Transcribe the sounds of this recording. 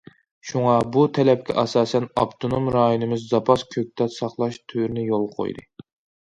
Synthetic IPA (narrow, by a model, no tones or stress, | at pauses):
ʃuŋɑbut̪ʰɛlɛp̚kʲɛ̰ʔɑsɑːsɛnɑ̰pt̪ʰonomɾɑːjonɨmɪzːɑpʰɑskʲʰøk̚ʲt̪ʰɛt̪sɑχlˠɑʃt̪ʰyɾnɪjolˠqʰo̰jd̪ɨ̰